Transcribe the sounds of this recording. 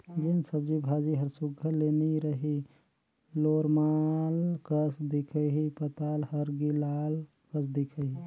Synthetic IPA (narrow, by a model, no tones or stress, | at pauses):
d͡ʒensəbd͡ʒibʱad͡ʒiɦəɾsʊɡʱəleniɾəɦi | loɾmalkəsd̪ikʰəɦipət̪aːlhəɾɡilal | kəsd̪ikʰəɦi